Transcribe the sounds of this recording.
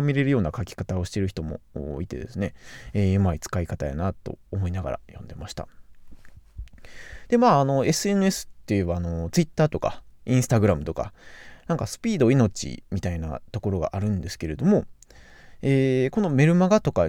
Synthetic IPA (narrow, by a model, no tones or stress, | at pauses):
mʲiɾe̞ɾɯ̟jo̞ːnakakʲi̥kat̪ao̞ɕi̥t̪e̞ɾɯ̟çi̥t̪o̞mo̞̰o̰ːit̪e̞̰d̪e̞sɨne̞eːɯmait͡sɨ̥kaikat̪aja̰nat̪o̞̰ːmo̞inaɡa̰ɾa̰jõ̞nd̪e̞maɕi̥t̪a̰ | d̪̥e̞maːno̞e̞sɨe̞nɯe̞sɨ̥t̪ːejɯ̟βaːno̞t͡sɨit̪ːaːt̪o̞ka̰ĩɰ̃sɨ̥t̪aɡɯ̟ɾamɯ̟t̪o̞ka̰nãŋkasɨ̥pʲiːd̪o̞ino̞t͡ɕḭmʲit̪aina̰t̪o̞ko̞ɾo̞ɡa̰ʔaɾɯ̟̃nd̪e̞sɨ̥ke̞ɾe̞d̪o̞mo̞ | eːko̞no̞me̞ɾɯ̟maɡat̪o̞ka